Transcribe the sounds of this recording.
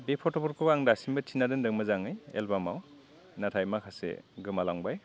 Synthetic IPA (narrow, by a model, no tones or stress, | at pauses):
bepʰɔtɔbɔɾkʰɔaŋdasimbɯtʰinadɯndɯŋmɯzaŋɯjḛlbamaw | natʰajmakʰasḛɡɯmalaŋbaj